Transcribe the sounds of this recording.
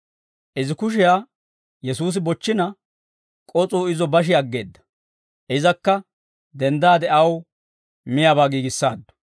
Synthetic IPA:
ʔɪzɪkʊʃ̬ɪjaː | jɛsuːs̬ɪbɔt͡ʃːɪnɐ | kʼɔt͡sʼuːɪzɔbɐʃ̬ɪɐɡːe̞̰ːd̪ːɐ̥ | ʔɪzɐkːɐ | d̪ɛnd̪aːd̪ɛʔɐw | mɪjaːbaːɡiːɡɪsːa̰ːd̪ːɔ̥

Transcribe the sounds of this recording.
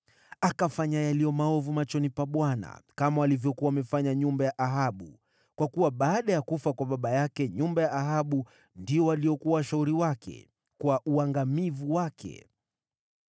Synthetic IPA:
akafaɲajalijɔmaɔvumat͡ʃɔnipaɓwana̰kamawalivjɔkuaamɛfaɲaɲumbajaʔaɦaɓu | kwakuwaɓaːɗajakufakwaɓaɓajakɛɲumbajaʔːɦaɓu | ndiɔwaliɔkuwawaʃauɾiwakɛ̰ | kwaʔuaŋɡamivuwakʰɛ̰

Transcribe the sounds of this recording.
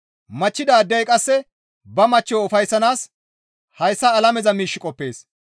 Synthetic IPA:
mɐt͡ʃːɪd̪aːd̪ɪjɐjkʼɐsːɛ | bɐmɐt͡ʃːɔwʊfɐjsːɐnaːs | hɐjsːɐːlɐmɛzɐmiːʃːɪkʼɔpːe̞ːs

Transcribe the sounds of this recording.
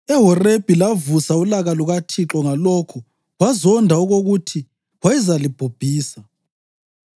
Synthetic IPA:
ɛɦɔreb̥ʱilavusaulaɣaluɣatʰiǁɔŋalɔkʰu | wazɔndʱauɣoɣutʰi | ɣwaizalib̥ʱob̥ʱiːsa

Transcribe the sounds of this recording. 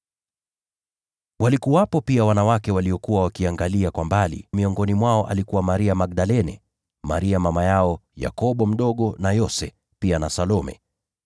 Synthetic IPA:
walikuwapɔpiawanawakɛwaliɔkuwawakiaŋɡaliakwambalḭmiɔŋɡɔnimwaɔʔa̰likuwamaɾiamaɡ̚ɗalɛnɛ | ma̰ɾiamamajaɔja̰kɔɓɔm̩ɗɔɠɔnajɔsɛ | pianasalɔmɛ̰

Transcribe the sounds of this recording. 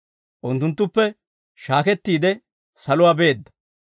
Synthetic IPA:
ʔʊnt̪ːʊnt̪ːʊpːɛ | ʃaːkɛt̪ːiːd̪ɛ | sɐlʊwaːbe̞ːd̪ːɐ̥

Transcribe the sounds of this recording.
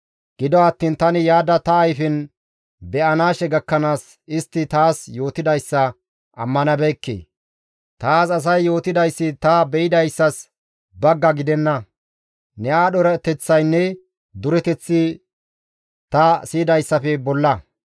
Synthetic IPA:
ɡ̥ɪd̪ɔɐt̪ːiːnt̪ɐnɪjaːd̪ɐt̪ɐːjfɪn | bɛʔɐnaːʃɛɡɐkːɐnaːs | ɪst̪ːɪt̪aːsjo̞ːt̪ɪd̪ɐjsːɐ | ʔɐmːɐnɐbɛkːḛː | t̪aːsɐs̬ɐjːo̞ːt̪ɪd̪ɐjsːɪt̪ɐbɛɪd̪ɐjsːɐs | bɐɡːɐɡɪd̪ɛnːɐ | nɛaːɗɔɾɛt̪ɛt͡sːɐjnːɛ | d̪ʊɾɛt̪ɛt͡sːɪ | t̪ɐsiːd̪ɐjsːɐfɛbɔlːɐ

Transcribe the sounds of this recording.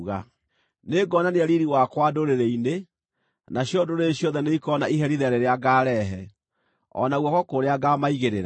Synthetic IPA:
ɣa | neɡɔnaneaɾiɾiwakwadoɾeɾeine | naɕjɔdoɾeːɕjɔðɛneikɔnaiɦɛɾiðɛɾeɾeaɡaːɾɛɦɛ | ɔ̰naɣwɔkɔkoɾeaɡamaiɣeɾeɾa

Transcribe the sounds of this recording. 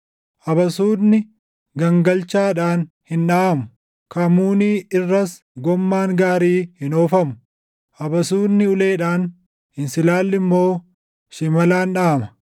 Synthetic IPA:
ʔɐbɐsuːdnɪ | ɡɐŋɡɐlt͡ʃaːᶑaːn | hɪnᶑaːmʊ | kɐmuːniːɪrːɐs | ɡɔmːaːŋɡaːɾiːhɪnoːfɐmʊ̥ | ʔɐbɐsuːdnɪʊle̞ːᶑaːn | hɪnsɪlaːlːɪmːo̞ː | ʃɪmɐlaːnᶑaːmɐ̥

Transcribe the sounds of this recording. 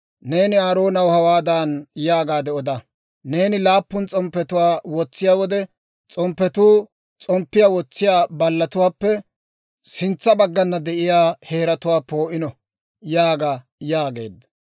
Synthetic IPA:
ne̞ːnɪaːɾo̞ːnɐwhɐwaːd̪aːnjaːɡaːd̪ɛɔd̪ɐ | ne̞ːnɪlaːpːʊnt͡sʼɔmpːɛt̪ʊwaːwɔt͡sːɪjaːwɔd̪ɛ | t͡sʼɔmpːɛt̪uː | t͡sʼɔmpːɪjawɔt͡sːɪjaːbɐlːɐt̪ʊwaːpːɛ | sɪnt͡sːɐbɐɡːɐnːɐd̪ɛʔɪjaːhe̞ːɾɐt̪ʊwaːpo̞ːʔɪnɔ | jaːɡa | jaːɡe̞̰ːd̪ɐ

